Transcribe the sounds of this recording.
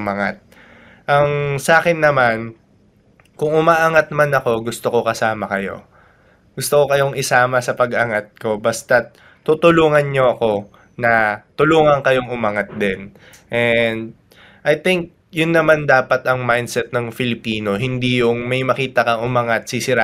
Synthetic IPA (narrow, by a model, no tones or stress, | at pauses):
mɐŋa̰t̪̚ | ʔɐŋsaːkɛnːɐman | kʊŋʊmaːʔɐŋat̪̚manɐko̞ɡʊst̪o̞ko̞kɐsaːmɐkɐjo̞̰ | ɡ̥ʊst̪oko̞kɐjo̞ŋɪsaːmɐsɐpɐɡʔɐŋat̪̚ko̞bɐst̪ɐ | t̪ut̪ʊluːŋɐnɲo̞ʔɐko̞ | nɐt̪ʊluːŋɐŋkɐjo̞ŋʊmaŋat̪̚d̪ɛn | ʔɛnd̪̚ | ʔɐjt̪ɪŋk̚ | jʊnːɐmand̪aːpɐt̪ɐŋmajnd̪sɛt̪̚nɐŋfɪlɪpiːno̞ɦɪnd̪ijʊŋmɐjmɐkiːt̪ɐkɐŋʊmaŋat̪̚sisɪɾa